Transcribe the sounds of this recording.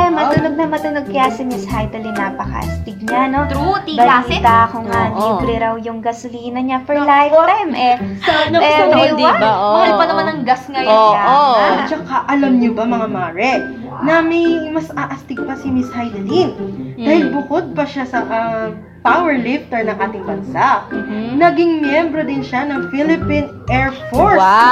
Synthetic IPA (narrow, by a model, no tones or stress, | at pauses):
mɐt̪ʊnoɡ̚nɐmɐt̪ʊnoɡ̚kɐjasɪmɪshajd̪ɐlinːapɐkɐ̰ʔɐ̰st̪ɪɡ̚ɲanot̪ut̪ːbɐt̪akʊŋad̪iːdɾɪɾɐwjʊŋɡɐsʊliːnɐɲapɛlajɾɛmʔɛsɐnɐiwaɐhɐlpɐnɐmanɐŋɡasŋɐjat͡ʃɐkaʔɐlɐmɲobɐmɐŋamaːɾɛ | nɐmɐjmɐsaʔɐst̪ɪɡ̚pɐsɪmɪshajd̪ɐlind̪aːhɪlbʊkod̪̚pɐʃasɐʔɐ | pawɛɹlɪft̪ɛɹnɐŋʔaːt̪ɪŋbɐnsanɐɡɪŋmjɛmbɾod̪ɪnʃanɐŋfilɪpinʔɛɹfoɹs